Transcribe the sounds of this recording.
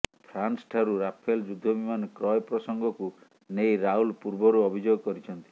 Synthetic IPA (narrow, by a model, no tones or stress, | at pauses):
pʰɾansʈʰaɾuɾapʰeld͡ʒud̪ʱːɔbimankɾɔjpɾɔsɔŋɡɔku | nejɾaulpuɾbɔɾuɔbʱid͡ʒoɡɔkɔɾit͡ʃʰɔnt̪i̥